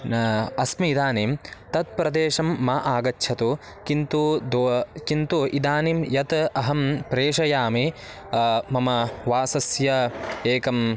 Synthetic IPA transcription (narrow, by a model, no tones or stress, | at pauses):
ɐsmiːd̪aːniːmt̪ɐt̪̚pɾɐd̪eːʂɐmːɐʔaːɡɐtːʃʰɐt̪u | kint̪ud̪kint̪uʔid̪aːnimjɐt̪ɐɦɐmpɾeːʂɐjaːmi | mɐmɐʋaːsɐsjɐeːkɐm